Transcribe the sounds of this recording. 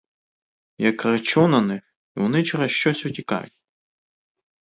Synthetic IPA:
jɐkrɐt͡ʃunɐnɪx | iʋɔnɪt͡ʃɛɾɐʃt͡ʃɔsʲʊtʲikɑ̰ʋʲʊtʲ

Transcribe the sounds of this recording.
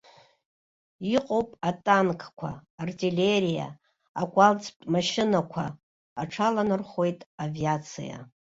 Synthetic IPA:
iqʼo̞wpʼatʼankʰʼkʷʰa̰ːrtʰʼilʲe̞ɾija̰ː | kʷʼalt͡sʰʼptʼmaʃɪnakʷʰaː | ʈ͡ʂʰalanɨrχo̞jtʼaviat͡sʰḭja̰

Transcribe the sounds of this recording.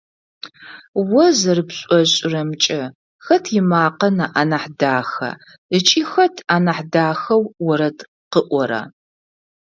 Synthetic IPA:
wɐzɐrɨpɕʼɔɕʼɪrɐmt͡ʃʼɐ | xɐtʰjɪmaːqɐnɐʔanaħdaːxɐ̰ | ət͡ʃʼiːxɐtʰaːnɐħdaːxɐwwɔɾɐt | qəʔʷɔɾɐ̰

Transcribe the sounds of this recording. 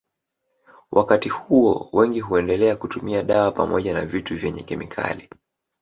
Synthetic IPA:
wʔakatihuɔ̰wɛŋɡiɦuɛndɛlɛakutumiaɗaapamɔʄanavituvjɛɲɛ̰kɛmḭkʰa̰li

